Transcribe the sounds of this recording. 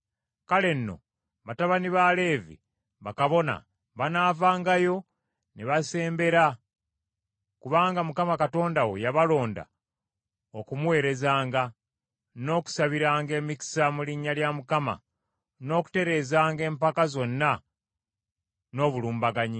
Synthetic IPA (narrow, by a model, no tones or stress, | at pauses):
kale̞nːo̞̰ | βataβaniβale̞ːvḭ | βakaβo̞na̰ | βanaːvaːŋɡajo̞ | neβase̞ːmbe̞ɾa | kuβaːŋɡamukamakato̞ːndawo̞̰jaβalo̞ːnda̰ | o̞kumuwe̞ːɾe̞zaːŋɡa | no̞ːku̥saβiɾaːŋɡe̞ːmiki̥samuliɲːaljamukama̰ | no̞ːku̥te̞ɾe̞ːzaːŋɡe̞ːmpakazo̞nːa | no̞ːβuluːmbaɡaɲi